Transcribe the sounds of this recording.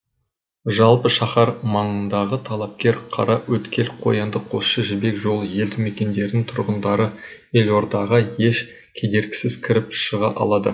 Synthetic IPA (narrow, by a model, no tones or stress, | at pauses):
ʒɑlˠpəʃɑχɑɾmɑɴənd̪ɑʁət̪ʰɑlˠɑp̚kʲe̞ɾqʰɑ̰ɾɑwʔɵt̪kʲʰe̞lqʰo̞̰jɑnd̪əqʰo̞sʃəʒɪbe̞kʒo̞lˠje̞ld̪ɪme̞kʲe̞nd̪e̞ɾd̪ɪŋt̪ʰʊɾʁənd̪ɑɾə | e̞lo̞ɾd̪ɑʁəje̞ʃ | kʲʰe̞d̪e̞ɾɡʲɪ̥sɪz̥kʲʰɪɾɪpʃəʁɑʔɑ̰lˠɑd̪ə